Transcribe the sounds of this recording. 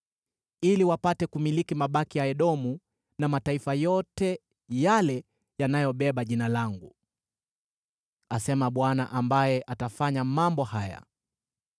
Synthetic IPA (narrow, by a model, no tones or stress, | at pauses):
iliwapatɛkumilikimaɓakijaɛɗɔmu | namataifajɔtɛ | jalɛ | janajɔɓɛɓaʄinalaŋɡu | asɛmaɓwanaʔambajɛʔatafaɲamambɔhaja̰